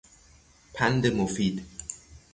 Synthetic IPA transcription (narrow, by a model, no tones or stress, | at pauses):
pʰænd̪emofiːd̪